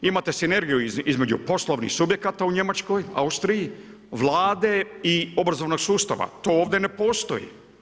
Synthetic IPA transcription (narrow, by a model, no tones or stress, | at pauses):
imat̪e̞sine̞ɾɡijuzizme̞d͡ʑṵpo̞slˠoʋnḭxsubje̞kat̪auɲe̞mat͡ʃko̞ja̰ust̪ɾiji | ʋlaːd̪e̞io̞bɾazoʋnoɡsuːst̪a̰ʋa̰t̪o̞ːoːʋd̪enepo̞ːst̪o̞̰jḭ